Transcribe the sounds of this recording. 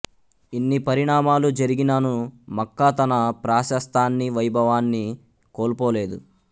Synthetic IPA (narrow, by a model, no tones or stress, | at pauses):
inːipɐɾiɳaːmaːlud͡ʒɐɾiɡinɐnumɐkːaːt̪ɐnɐpɾaːʃɐst̪aːnːiʋɐjbʱɐʋaːnːi | koːlpoːle̞ːd̪u